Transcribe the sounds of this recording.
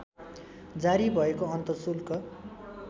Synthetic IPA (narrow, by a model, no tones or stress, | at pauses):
d͡zaɾibʱʌekoʌnt̪ʌsulkʌ